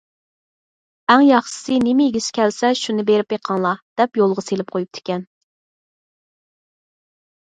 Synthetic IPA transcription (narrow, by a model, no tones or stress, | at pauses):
æŋjɑχʃɪ̥sɨnɪmɪjiɡʲisɪ̥kʲɛlsɛʃunɨbeɾɪpjeqʰɑŋlˠɑd̪̥ɛpjolˠʁɑselɪp̚qʰojup̚t̪ʰɪ̥kʲɛn